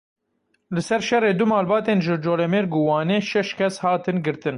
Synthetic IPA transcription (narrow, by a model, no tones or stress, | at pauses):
lɨsɛɾʃɛreːd̪ʊmɑːlbɑːt̪eːnʒɨd͡ʒoːlɛmeːɾɡuwɑːneːʃɛʃt̪kʰʲɛshɑːt̪ɨnɡɨɾt̪ɨn